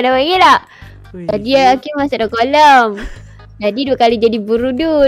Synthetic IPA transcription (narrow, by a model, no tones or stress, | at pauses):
adawaŋila | adiaːkimasadokoləm | d͡ʒadiduakalid͡ʒadibuɾudu